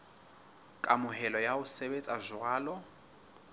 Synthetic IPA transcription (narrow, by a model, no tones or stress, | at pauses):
kʼamʊɦɛlɔjaʊsɛbet͡sʼazʊaːlɔ